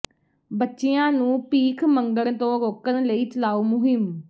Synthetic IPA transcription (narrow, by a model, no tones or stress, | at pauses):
bətːʃeːãːnũːpiːkʰməŋɡəɽt̪õːɾoːkənləiːt͡ʃəlaːuːmʊɦɪm